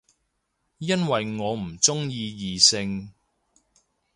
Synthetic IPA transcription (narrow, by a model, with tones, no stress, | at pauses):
jɐ˥nwɐ˨jŋɔː˨˧m̩˨˩t͡sʊ˥ŋjiː˧jiː˨˩sɪ˧ŋ